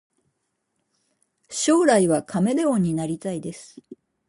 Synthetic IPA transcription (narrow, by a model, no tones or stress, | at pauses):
ɕo̞ːɾaiβakʰame̞d̪eõɲ̟ːinaɾʲit̪aid̪e̞sɨ̥